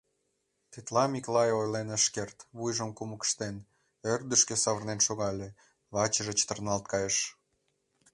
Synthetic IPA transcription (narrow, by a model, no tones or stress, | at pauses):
t̪et̪lɑmʲiklɑjojlenəʃkert̪βujʒəmkuməkə̥ʃt̪en | ørd̪əʃkesɑβərnenʃoɣɑlʲe | βɑt͡ɕəʒə̆t͡ɕə̥t̪ərnɑlt̪̚kɑjeʃ